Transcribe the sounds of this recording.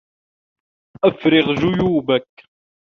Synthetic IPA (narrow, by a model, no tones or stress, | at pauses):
æfɾɪʁʒʊjuːbæk